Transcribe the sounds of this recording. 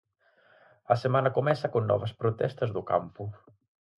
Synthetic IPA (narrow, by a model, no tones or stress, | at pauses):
əsemanɐkumɛnsakonːɔ̰βəspɾut̪ɛ̰st̪əzðuka̰mpu